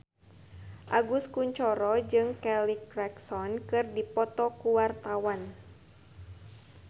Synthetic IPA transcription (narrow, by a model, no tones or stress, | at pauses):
ʔaɡuskuɲt͡ʃɔɾɔd͡ʒɨŋkɛlikɾɛksɔnkɨrdipɔt̪ɔkuwart̪awan